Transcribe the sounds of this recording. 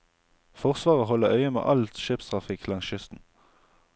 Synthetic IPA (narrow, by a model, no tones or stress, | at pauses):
fɔʁsʋɑːʁəɦɔləœʏəmḛːʔɑlt̪ʃeːpst̪ʁɑfɪkʰlɑŋsʃʏst̪n̩